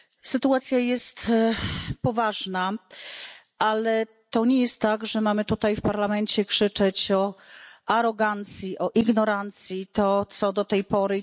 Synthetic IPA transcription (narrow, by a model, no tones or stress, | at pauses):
sɘt̪uat̪sʲjajɛst̪ | pɔvaʐna | ʔalɛ | t̪ɔɲɛjɛst̪ːaɡʐɛmamɘt̪ut̪ajfpaɾlamɛnt͡ɕɛkʂɘt͡ʂɛt͡ɕɔaɾɔɡant̪sʲjiʔɔʔiɡnɔɾant̪sʲjit̪ɔt̪sɔd̪ɔt̪ɛjpɔɾɘ